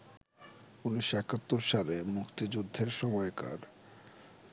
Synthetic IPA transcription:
uniʃɛkat̪ːoɾʃalemukt̪id͡ʑud̪ʱːeɾʃɔmɔeka̰ɾ

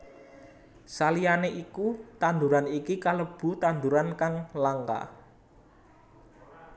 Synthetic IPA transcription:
salijaneʔikut̪and̪uɾanikikaləb̥ṳt̪and̪uɾankaŋlaŋka̰

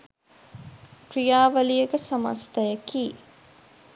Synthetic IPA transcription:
kɾijaːʋɐlijəɡəsɐmɐ̰st̪ɐjɐkiː

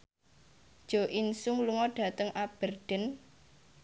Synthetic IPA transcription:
d̥ʒ̥o̤ʔinsʊŋluŋɔɖ̥ä̤t̪əŋʔab̥ərɖ̥ə̤n

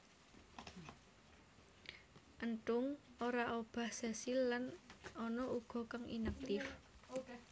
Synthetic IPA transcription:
ʔənʈʊŋoɾaʔob̥a̤hsasɪlːanɔnɔʔuɡ̥ɔ̤kaŋḭnak̚t̪ɪf

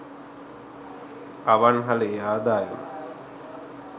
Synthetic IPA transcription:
aʋanɦalejaːd̪aːjəmə̰

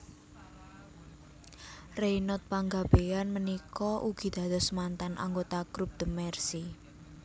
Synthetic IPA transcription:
reinɔt̪̚paŋɡab̥ejanmənikɔʔuɡ̥i̤d̪̥a̤d̪̥ɔ̤smant̪anʔa̰ŋɡot̪aɡ̥ɾup̚d̪̥əmɛrsi

